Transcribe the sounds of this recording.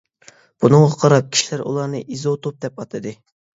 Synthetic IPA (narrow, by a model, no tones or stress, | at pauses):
b̥unɨŋʁɑqʰɑɾɑp̚kʲʰi̥ʃilæɾṵlˠɑɾnɨʔizot̪ʰop̚d̪ɛpɑt̪ʰɨd̪ɨ